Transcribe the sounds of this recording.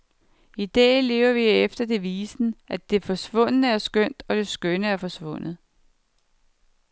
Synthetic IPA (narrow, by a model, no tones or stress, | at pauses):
id̥ɛ̰ːle̝̰ːʊɐʋiefd̥ɐd̥e̝ʋiːsn̩ʔæd̥e̝fɒ̽sʋɔ̽n̰ənəæɐsɡ̥øn̰d̥ɒ̽d̥e̝sɡ̥ønəæɐfɒ̽sʋɔ̽n̰ð̩ˠ